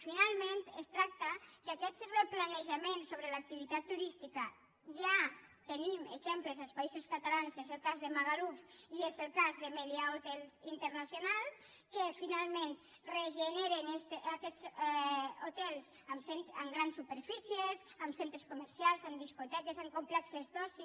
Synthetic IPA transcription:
finalˠmẽnt̪est̪ɾak̚t̪akakɛt͡sreplaneʒamensːoβɾelak̚t̪iβit̪at̪ːuɾist̪ika | ʒat̪enimeʒemplezalˠspaizoskat̪alansezelˠkazðemaɣaɾufiezelˠkazðemeðjaot̪ɛlint̪əɾnasjonalˠ | kefinalˠmẽnt̪ | reʒeneɾenest̪akɛt͡s | ot̪ɛlˠs | amsent̪əmɡɾansːupeɾfisiezamsent̪ɾeskuməɾsjalˠzəmd̪iskut̪ɛkezaŋkumplɛksezðɔsi

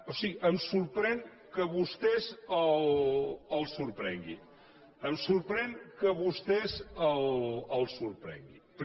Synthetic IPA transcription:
osiɣiʔəmsuɾpɾɛŋ | kəβust̪ɛzəl | əlˠsuɾpɾɛŋɡḭ | əmsuɾpɾɛŋkəβust̪ɛzələlˠsuɾpɾɛ̰ŋɡḭp

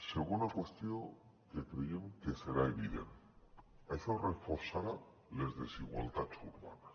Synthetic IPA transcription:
seɣunakwe̞st̪joŋ | kekɾejeŋkese̞ɾaeβiðe̞̰n | esorefoɾsaɾa | lezðe̞siɣwa̰lt̪asuɾβa̰na

